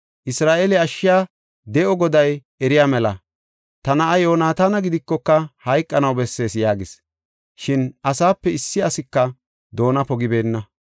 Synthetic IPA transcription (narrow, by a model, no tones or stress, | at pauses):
ʔɪsɾaːʔelɛɐʃːɪjaː | d̪ɛʔɔɡɔd̪ɐj | ɛɾɪjaːmɛlɐ̰ | t̪ɐnɐʔɐjo̞ːnaːt̪anɐɡɪd̪ɪkːɔkːɐhɐjkʼːɐnɐwbɛsːe̞ːsjaːɡɪs | ʃɪnʔɐsaːpːɛɪsːɪɐsɪkːɐ | d̪o̞ːnɐpɔɡɪbe̞ːnːɐ